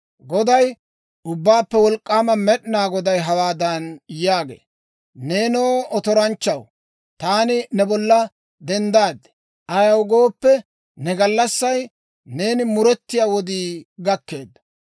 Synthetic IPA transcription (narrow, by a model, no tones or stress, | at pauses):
ɡɔd̪ɐj | ʊbːaːpːɛwɔlkʼːaːmɐmɛɗnaːɡɔd̪ɐjɦɐwaːd̪ɐnjaːɡḛː | neːnoːɔt̪ɔɾɐnt͡ʃːɐw | t̪aːnɪnɛbɔlːɐ | d̪ɛnd̪aːd̪ɛ̥ | ʔɐjɐwɡo̞ːpːɛ | nɛɡɐlːɐsːɐj | ne̞ːnɪmʊɾɛt̪ːɪjaːwɔd̪iːɡɐkːe̞ːd̪ːɐ̥